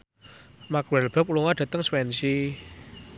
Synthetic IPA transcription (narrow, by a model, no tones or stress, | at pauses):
makwɛlb̥əp̚uluŋaɖ̥ä̤t̪əŋswɛnsi